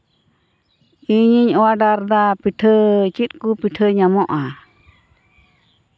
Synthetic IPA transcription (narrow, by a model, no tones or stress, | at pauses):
iɲiɲɔwaɖaɾd̪apiʈʰət͡ʃit̪̚kupiʈʰəɲamɔʔa